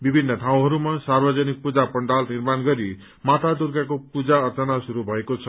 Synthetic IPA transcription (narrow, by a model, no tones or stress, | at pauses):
bibʱinːʌt̪ʰaw̃ɦʌɾumasarbʌd͡zʌnik̚pud͡zapʌɳɖalnirmanɡʌɾi | mat̪ʰad̪urɡakopud͡zaʌrt͡sʌnasuɾubʱʌekot͡sʰʌ